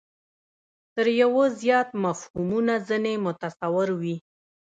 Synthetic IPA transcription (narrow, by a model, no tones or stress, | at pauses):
t̪əɾjawozjɑt̪mafhumunazənemʊt̪asawɪɾwi